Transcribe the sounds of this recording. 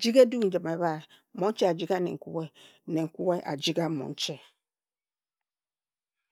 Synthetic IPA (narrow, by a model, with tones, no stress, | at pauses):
d͡ʒi˦ɡe˦du˦n̩˨d͡ʒɨ˨me˨βa˦˨˦ | mo˨˦n̩˦t͡ʃe˦a˨d͡ʒi˦ɡa˦nḛ˨ŋ̩˨kṵ˦ɣe˦ | ne˨ŋ̩˨ku˦ɣe˦ʔa̰˨d͡ʒi˦ɡa˦mɔ̰˨n̩˦t͡ʃe˦˨